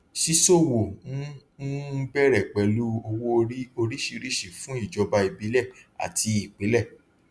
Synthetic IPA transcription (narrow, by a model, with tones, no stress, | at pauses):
ʃi˧so˦˨wo˨˦ | ũ˦bɛ˦˨ɾɛ˨k͡pɛ˨lu˦o˧wo˦o˧ɾi˦o˧ɾi˦ʃi˧ɾi˦˨ʃi˨fũ˨˦i˦˨d͡ʒɔ˧ba˧i˧bi˨˦lɛ˦˨a̰˨tʰi˧i˨k͡pe˨˦lɛ˦˨